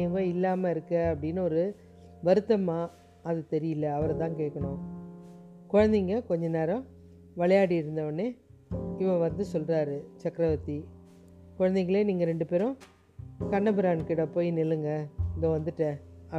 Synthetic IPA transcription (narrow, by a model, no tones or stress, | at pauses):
ɐŋɡoːɪlːaːmɐɪɾɯkːɐɐpːɐɽɪnːɯɔɾɯ | ʋɐɾɯt̪ːɐmaː | ɐðɯt̪ɛɾɪjɯlːɐːʋɐɾɐt̪ãːŋkeːʈkːɐɳʊ̃ | kɔɻɐnd̪ɪŋɡɐkɔɲd͡ʒɐneːɾɐ̃ | ʋɐɭɐjaːɽiɪɾɯnd̪ɐʋɐnːeːɪʋɐ̃ʋɐnd̪ɯsɔlrɾaːɾɯt͡ʃɐkɾɐʋɐt̪ːi | kɔɻɐnd̪ɛŋkːɐɭeːniːŋɡɐɾɛɳɖɯpeːɾʊ̃ | kɐɳːɐbɪɾaːnkɪɽɐpoːjnɪlːɯŋɡɐɪðõʋɐnd̪ɯʈːɛ̃ɐ